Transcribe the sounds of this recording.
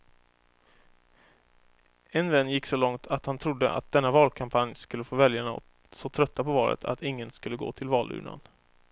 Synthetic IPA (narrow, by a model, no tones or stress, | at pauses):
ɛnvɛnːjɪkːsɔlɔŋt̪ʰat̪hant̪ʰɾʊd̪ːə̰ʔa̰t̪̚d̪ɛnːavɑːlkʰampʰanjskɵlːəfoːvɛljaɳa̰ | sɔt̪ʰɾœt̪ːapʰɔvɑːlʔə̰t̪ʰa̰t̪ɪŋːənskɵlːəɡo̰ːt̪ʰɪlvɑːlʉ̟̰ːɳa̰n